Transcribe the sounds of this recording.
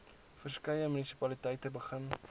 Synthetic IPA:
fərskəjəmynisi̥pɐlitəjtəbəχən

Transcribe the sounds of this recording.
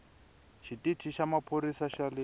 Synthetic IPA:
ʃʰititʰiʃamapʰoɾisaʃalɪ

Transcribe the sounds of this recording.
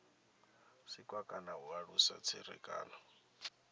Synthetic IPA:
sikʼwakʼanaɦuaɺusa̰t͡sʰiɾɛ̰kʼa̰ːnɔ

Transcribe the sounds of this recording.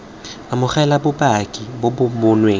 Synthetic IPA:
amʊχɛlabʊbakʼibobʊbʊnweːŋ̩

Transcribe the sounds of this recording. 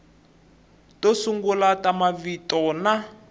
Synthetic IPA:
tosuŋɡulatamavitɔna

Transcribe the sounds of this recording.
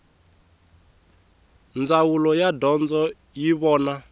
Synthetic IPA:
nd͡zawulɔjadɔnd͡zɔ | jiβɔːna

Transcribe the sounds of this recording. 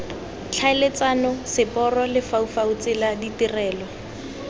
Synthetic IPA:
t͡ɬʰaɪlet͡sanɔsɪpʼɔrɔlɪfaufaut͡sɪladitirɛːlɔ

